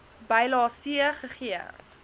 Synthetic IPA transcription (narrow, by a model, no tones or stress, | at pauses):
bɐjlɑːsiəχəχiə̰r